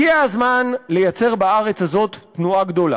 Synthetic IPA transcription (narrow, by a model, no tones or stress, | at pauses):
iaazmanle̞jat͡se̞ʁbaaʁe̞t͡shazo̞t̪ːnuaɡdola̰